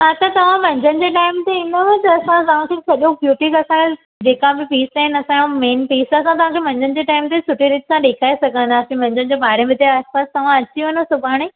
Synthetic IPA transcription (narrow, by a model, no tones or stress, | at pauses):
ɦat̪ɐt̪ɐʋ̤ãʋɐ̃ɲd͡ʑʱənɪ̆d͡ʑeːʈaːɪmt̪eɪnəʋɐtɐsãt̪ɐʋ̤ãkʰeːsɐʄõbjuːʈikɐsãe | d͡ʑeːkãbɪpiːsaːɦɪnɐsãõmeːnpiːsɐsãt̪̬ɐʋ̤ãkʰeːʋɐ̃ɲd͡ʑʱənɪ̆d͡ʑeːʈaːɪmt̪esʊʈʰiɾɪʈ̪sãɗeːkʰaːesɐɡʱə̃nd̪asĩmɐ̃ɲd͡ʑʱənɪ̆d͡ʑoːɓaːɾẽmɪt̪eaːspaːst̪ɐʋ̤ãɐt͡ɕiɦonəsʊbʱaːɽ̃e